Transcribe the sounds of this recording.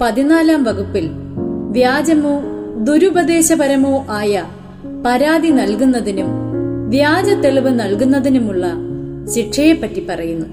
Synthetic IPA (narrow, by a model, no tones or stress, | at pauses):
pɐðinaːlaːmʋɐɣupːil | ʋjaːd͡ʑɐmoːd̪uɾubɐd̪e̞ːɕɐbɐɾɐmo̞ːʔaːjɐ | pɐɾaːd̪inɐlkunːɐðinumʋjaːd͡ʑɐt̪ːeɭiʋɨnɐlkunːɐðinumuɭːɐ | ɕiʈʂɐjepːɐtːipːɐrɐjunːu